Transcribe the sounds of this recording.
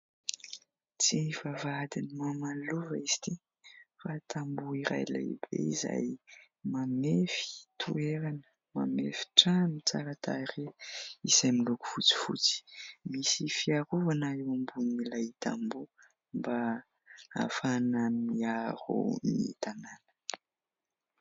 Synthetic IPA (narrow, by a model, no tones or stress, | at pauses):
t͡sivavad̪inimamaluvaiz̥i̥t̪i | fat̪ʰambuiɾa̰jla̰jb̥ḛiza̰j | mamefi̥t̪ʰueɾanə̥ | ma̰mefi̥ʈ͡ʂanit͡sa̰ɾat̪ʰaɾeisamiluku̥fut͡si̥fṵt͡si̥misifiaɾuvanaewambunnilajit̪ambu | mba | a̰fanəmiaɾṵnit̪ananə̥